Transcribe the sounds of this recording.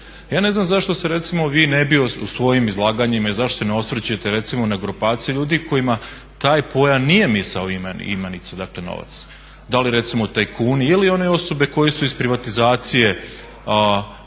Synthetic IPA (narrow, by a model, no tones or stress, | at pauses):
jaːne̞znamzaʃt̪o̞seɾe̞t̪simo̞ʋiːnebioṵsʋo̞jimizlˠaːɡaɲimailzaʃt̪oseneo̞svɾt͡ɕuje̞t̪eɾe̞t̪simonaɡɾupaːt̪sijuʎuːd̪iko̞jima | t̪aːjpo̞janije̞misaoimen̰ḭmanit̪sad̪akle̞no̰ʋa̰t̪s | d̪alijeɾe̞t̪simout̪aːjkʰuːniilio̞ne̞o̞so̞be̞ko̞jesuispɾiʋat̪izaːt̪sije̞